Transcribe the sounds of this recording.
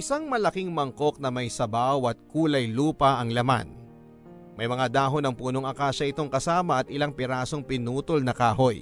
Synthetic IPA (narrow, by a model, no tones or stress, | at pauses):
ʔɪsaŋmɐlɐkiŋmɐŋko̞k̚nɐmɐjsɐbawɐt̪̚kuːlɐjluːpɐʔɐŋlɐma̰n | mɐjmɐŋad̪aːɦo̞nɐŋpuːno̞ŋɐkaːʃɐʔɪt̪o̞ŋkɐsaːmɐʔɐt̪̚ʔɪlaŋpɪɾaːso̞ŋpɪnuːt̪olnɐkaːɦo̞j